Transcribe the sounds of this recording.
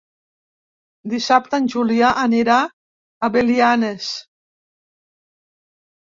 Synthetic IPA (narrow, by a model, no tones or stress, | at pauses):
d̪isap̚t̪ənʲʒuliaʔaneɾaː | βelianes